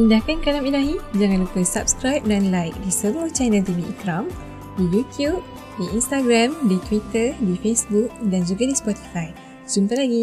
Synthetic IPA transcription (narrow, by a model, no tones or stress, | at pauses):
indakankalamilaɦid͡ʒaŋãnlupəsap̚skɾajp̚danlajk̚disəmuəht͡ʃanə̃lt̪umiʔikɾam | dijut̪jup̚ | diʔinst̪aɡɾamdit̪wit̪ədifesbuk̚dand͡ʒuɡadispɔt̪i̥faj | sumpalaɡi